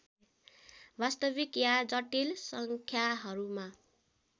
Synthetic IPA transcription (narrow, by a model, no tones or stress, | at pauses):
bast̪ʌbikjad͡zʌʈilsʌŋkʰjaɦʌɾuma